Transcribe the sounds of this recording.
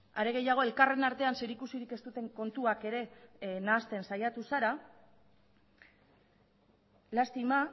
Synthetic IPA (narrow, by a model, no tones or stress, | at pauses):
aɾe̞ɣ̞e̞jaɣ̞o̞e̞lkare̞naɾt̪e̞anseɾikusiɾike̞st̪ut̪e̞ŋko̞nt̪uake̞ɾe̞naːst̪e̞nsajat̪usaɾa | last̪ima